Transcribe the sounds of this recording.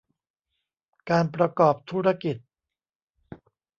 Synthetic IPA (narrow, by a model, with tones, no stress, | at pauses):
kaː˧np̬ɾa˧kɔː˨˩p̚t̪ʰuː˦˥ɾa˧ki˨˩t̪̚